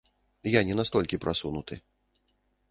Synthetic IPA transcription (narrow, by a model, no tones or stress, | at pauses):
janʲɛnast̪ɔlʲkʲipɾʔasunut̪ɨ